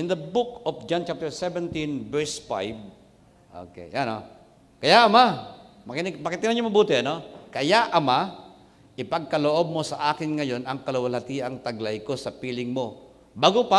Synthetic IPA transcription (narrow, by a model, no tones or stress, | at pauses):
ʔɪnd̪ɐbʊkofd͡ʒant͡ʃap̚t̪ɛɹsɛvɛnt̪ĩnbɛɹsfa̰jb | ʔo̰kḛjʔano | kɐjaʔɐmamɐkɪnɪɡmɐkɪt̪ɪnaɲoŋmɐbuːt̪ɪʔɐno̞kɐjaʔɐma | ʔɪpɐɡ̚kɐloʔob̚mo̞sɐʔaːkɪnŋɐjo̞nɐŋkɐlowɐlhɐt̪iːʔɐŋt̪ɐɡlajko̞sɐpiːlɪŋmo̞ | baːɡopa